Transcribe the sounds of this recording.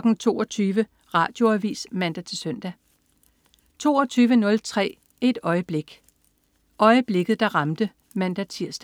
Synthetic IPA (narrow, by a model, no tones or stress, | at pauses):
ɡ̥n̩t͡sʰo̝̰ːɒt͡sʰyːʋə | ʁɑ̰̈ːd̥jo̝æʋḭːsmænd̥æt͡sʰe̝sœn̰d̥æ | t͡sʰo̝̰ːɒt͡sʰyːʋənɔ̽lt͡sʰʁɛ̰ː | e̝d̥ɒ̽ɪəb̥le̝ɡ̥ | ʔɒ̽ɪəb̥le̝ɡ̥ð̩ˠd̥ɑ̈ʁɑ̈md̥ə | mænd̥æt͡sʰiɐ̰sd̥æ